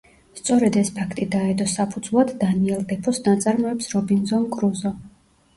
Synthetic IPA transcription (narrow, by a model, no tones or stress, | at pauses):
st̪sʼɔɾɛd̪ɛspʰakʰt̪ʼid̪aɛd̪ɔsapʰud̪zvlˠad̪ːaniɛlˠd̪ɛpʰɔsnat̪sʼaɾmɔɛpsɾɔbinzɔnkʼɾuzɔ